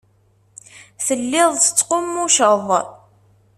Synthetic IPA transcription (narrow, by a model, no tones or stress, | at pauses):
θəlːɪðˤsə̥t͡sːqʊmːuʃəðˤ